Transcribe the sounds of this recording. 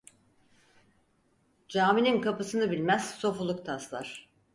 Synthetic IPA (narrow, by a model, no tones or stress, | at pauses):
d͡ʒaːmininkʰapɯsɯnɯbilʲmæz̥so̞fulˠuk̚t̪ʰaslˠaɾ̝̥